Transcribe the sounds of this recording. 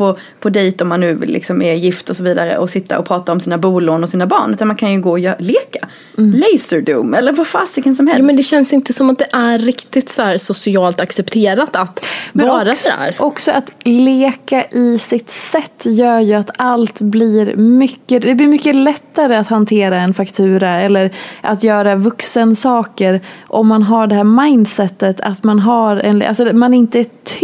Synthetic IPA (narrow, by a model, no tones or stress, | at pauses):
pʰɔ | pʰɔd̪ɛjt̪ɔmːanːʉ̟ːvɪ̰lːʔɪ̰ksɔmɛjɪft̪ɔsɔviːd̪aɾə̰ʔɔsɪt̪ːa̰ʔɔpʰɾɑːt̪aɾɔmsiːnabuːloːnɔsiːnabɑ̰ːɳʔʉ̟ːt̪anmankʰanjɵɡoːjœleːkḁ | lɛɪsəɖṵːmɛlːəɾvafaːsɪɡəns̬ɔmhɛmɛnd̪ɛɕɛnsɪnt̪əsɔmat̪̚d̪ɛʔæːɪkt̪ɪt̪sæːɾsʊsɪɑːlt̪aksɛpt̪ʰeːɾat̪at̪mɛɑːɾasæ̰ːɾʔɔksɔʔat̪leːkaʔɪsɪt̪sɛt̪ːjœːɾjɵat̪alt̪blɪɾmʏkːəd̪ɛblɪɾmʏkːəlɛt̪ːaɾəat̪hant̪ʰeːɾaɛnfakt̪ʰʉ̟ːɾaɛlːəɾʔat̪jœːɾavɵksənsɑːkəɾʔɔmːanɦaɖɛɦæːɾmaɪnd̪sɛt̪ːət̪ʰa̰t̪manɦaɾɛ̰na̰lsɔmanɪnt̪əæt̪ʰ